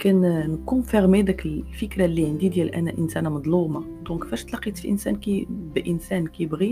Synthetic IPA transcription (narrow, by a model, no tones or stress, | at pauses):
kænnkufiʁmid̪əkəllfəkɾalːiʕənd̪id̪jælʔæ̰næʔənsænæmɑd̪ˤluma | d̪ɔ̃kːfæʃt̪lɑqit̪fiʔə̰nsæ̰nkibʔənsænkibɣi